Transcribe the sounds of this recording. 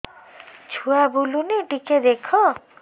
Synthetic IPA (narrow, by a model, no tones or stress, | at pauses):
t͡ʃʰuabuluniʈiked̪ekʰɔ